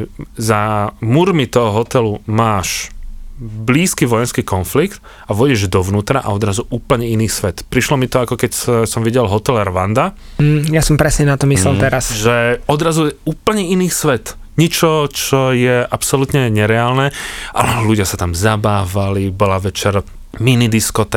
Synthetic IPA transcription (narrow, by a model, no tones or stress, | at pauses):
zamuɾmit̪ɔɦɔɦɔt̪ɛlumaːʃ | bliːskiːʋɔjɛnskiːkɔnflikt̪ | aʋɔɟɛʒd̪ɔʋnuːt̪ɾaʔa̰ɔd̪ɾazuʔuːpl̩ɲɛiniːsʋɛt̪pɾiʃlɔmit̪ɔakɔkɛcsɔmʋiɟɛlɦɔt̪ɛlɛɾʋand̪a | jasɔmpɾɛsɲɛnat̪ɔmislɛlt̪ɛɾasʒɛɔd̪ɾazujɛuːpl̩ɲɛiniːsʋɛt̪ | ɲit͡ʃɔt͡ʃɔjɛʔapsɔlut̪ɲɛɲɛɾɛaːlnɛʔa̰lɛluɟɪasat̪amzabaːʋalibɔlaʋɛt͡ʃɛɾ | minid̪iskɔt̪ɛ